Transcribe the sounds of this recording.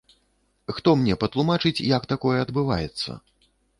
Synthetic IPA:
xt̪ɔmnʲɛpɐt̪lˠumat͡ʂɨt͡sʲjɐkt̪akɔjɛɐd̪bɨva̰jɛt̪sːɐ̰

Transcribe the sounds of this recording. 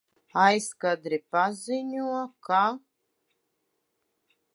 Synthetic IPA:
ajskad̪ɾipaziɲʲuɔka

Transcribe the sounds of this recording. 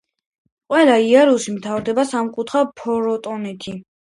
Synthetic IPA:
qʼwɛlaiaɾusimt̪ʰavɾd̪ɛbasamkʼut̪ʰχapʰɔɾɔt̪ʼɔnɛt̪ʰi

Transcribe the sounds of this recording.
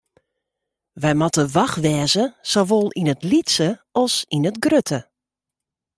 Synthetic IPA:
ʋɛjmɔtəʋaxʋɛːzəsoʋolˠinətlitsəɔsinətɡrøtʰə

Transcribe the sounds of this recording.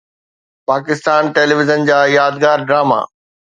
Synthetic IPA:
paːkɪst̪aːnʈeːlɪʋɪzənd͡ʑaːjaːd̪ɡaːɾɖɾaːma̰ː

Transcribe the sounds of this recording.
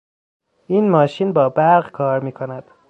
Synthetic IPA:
ʔiːnmɒːʃiːnbɒːbæɾɢkʰɒːɾmiːkʰonæd̪̥

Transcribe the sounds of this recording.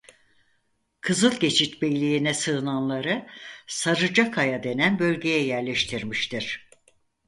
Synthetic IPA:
kʰɯzɯlˠɟe̞t͡ʃʰit̪bejlʲijinɛsɯːnanlˠaɾɯsaɾɯd͡ʒakʰajad̪e̞nænbø̞lʲɟe̞jɛjæɾlʲeʃt̪ʰiɾmiʃt̪ʰiɾ̥

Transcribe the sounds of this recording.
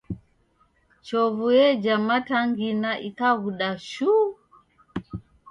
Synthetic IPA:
t͡ʃɔvujɛd͡ʒamataŋɡinaʔikaɣuɗaʃu

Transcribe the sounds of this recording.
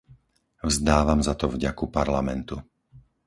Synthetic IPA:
vzd̪aːʋamzat̪ɔvɟakupaɾlamɛnt̪u

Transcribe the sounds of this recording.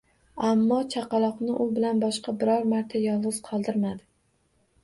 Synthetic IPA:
amːɒt͡ʃʰɑqɑlˠɒqnɪʔʊbɪlanbɒʃqɑbɪɾɒɾmaɾt̪ʰajɒlˠʁɨz̥qʰɒlˠd̪ɪɾmad̪ɪ

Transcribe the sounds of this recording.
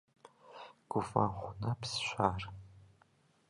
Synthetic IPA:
ɡ̥ʷʊfa̰χʷʊnɐpsʃʷaːr

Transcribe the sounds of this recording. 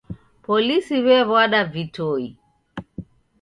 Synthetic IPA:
pɔlisiβɛβwaɗavitɔi

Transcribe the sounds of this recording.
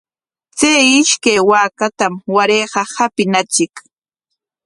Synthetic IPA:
t͡sajɪʃkajwaːkat̪amwaɾejɢɑhapɪnat͡ʃɪk

